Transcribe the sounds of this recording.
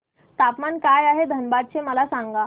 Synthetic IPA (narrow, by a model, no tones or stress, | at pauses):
t̪apmankajaɦed̪ʱənbad̪̚t͡ɕeməlasaŋɡa